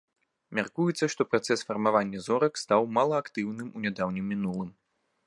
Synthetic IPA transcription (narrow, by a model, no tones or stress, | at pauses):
mʲarkujɛt̪sːɐʂt̪ɔpɾat̪sɛsfɐrmavanʲːɐzɔɾɐkst̪awmalˠɐakt̪ɨwnɨmunʲad̪awnʲimʲːinulˠɨm